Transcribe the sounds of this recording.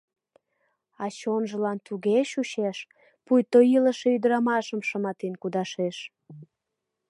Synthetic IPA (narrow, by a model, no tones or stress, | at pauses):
ɑt͡ɕonʒə̆lɑnt̪uɣeʃuɕeʃ | pujt̪oiləʃe̽yd̪əɾɑmɑʃəmʃəmɑt̪enkud̪ɑʃeʃ